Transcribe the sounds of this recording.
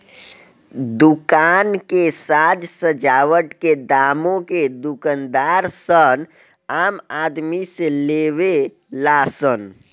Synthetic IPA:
d̪ʊkaːnkesaːd͡ʒsəd͡ʒaːwəʈked̪aːmõked̪ʊkənd̪aːɾsən | aːmaːd̪miseleːʋe | laːsən

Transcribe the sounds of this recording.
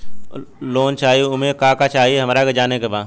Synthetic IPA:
loːnt͡ʃaːiʊmẽkaːkat͡ʃaːɦiɦɐmːɾaked͡ʒaːnekebaː

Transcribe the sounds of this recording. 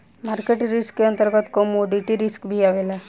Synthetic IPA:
maɾkeʈɾiskeənt̪əɾɡət̪kɔmoɖiʈiɾiskbʱiaʋela

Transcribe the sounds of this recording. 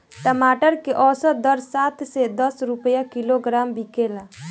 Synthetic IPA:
ʈəmaʈəɾkeʔɔsɔd̪əɾsat̪sed̪əsɾupəjakiloɡɾambikela

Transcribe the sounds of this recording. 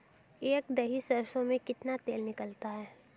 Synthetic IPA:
eːkd̪ɐɦisɐɾsõmẽkɪt̪nat̪eːlnɪkəlt̪aɦɛː

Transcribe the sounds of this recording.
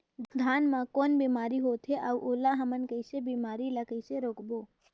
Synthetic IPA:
d̪d̪ʱaːnmãkoːnbiːmaːɾiɦot̪ʰeʔaːuʔoːlaɦəmənkəɪsebiːmaːɾilakəɪseɾoːkboː

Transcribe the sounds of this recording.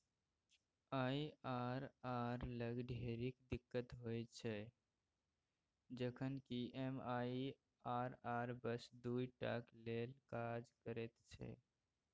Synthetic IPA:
aːiaɾaːɾləɡɖʱeɾikd̪ɪkːət̪ɦojt͡ʃʰɛ | d͡ʒəkʰənkiʔemaːi | aːɾaɾbəsd̪uiʈa̰klelkad͡ʒkəɾet̪t͡ʃʰɛ̰

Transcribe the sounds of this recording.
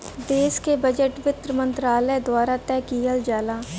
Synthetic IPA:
d̪eːskebəd͡ʒəʈʋɪt̪ɾəmə̃nt̪ɾaːləjd̪waːɾat̪ɛːkiːjəld͡ʒaːlaː

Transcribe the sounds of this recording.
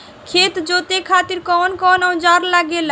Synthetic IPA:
kʰet̪d͡ʒot̪ekʰat̪iɾkɔnkɔnaw̃d͡ʒaɾlaɡel

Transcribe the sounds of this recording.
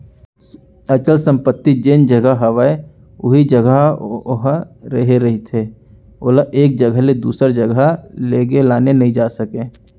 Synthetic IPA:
ɐt͡ʃəlsə̃mpət̪ːid͡ʒeːnd͡ʒəɡəɦɐʋəe | ʊ̰ɦid͡ʒəɡəɦɾəɦeɾɐɦit̪ʰeː | oːlaʔeːk̚d͡ʒəɡəɦled̪ṵːsəɾd͡ʒəɡʱəleːɡelaːnenɐɦĩd͡ʒaːsəkẽː

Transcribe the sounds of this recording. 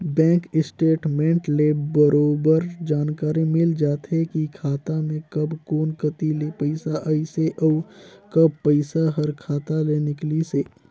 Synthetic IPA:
bɛ̃ːŋkɪsʈeːʈmẽːɳʈlebəɾoːbəɾd͡ʒaːnkaːɾimɪld͡ʒaːt̪ɦekikʰaːt̪amẽkɐbkoːnkət̪ilepəɪsaʔəiseʔɔːkɐb̚pəɪsaɦɐɾkʰaːt̪alenɪkliseː

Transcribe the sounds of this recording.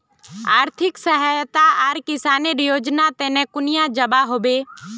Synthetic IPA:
aːɾt̪ʰɪksəɦajt̪aaːɾkɪsaːneɾjoːd͡ʒnat̪ɛːnẽkʊnɪjãd͡ʒəbaɦoːbeː

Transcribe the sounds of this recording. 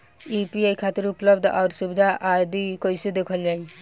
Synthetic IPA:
ipiajkʰat̪iɾuplɔb̚d̪ʔawɾsubid̪ʱaʔad̪ikojsed̪ekʰɔld͡ʒaj

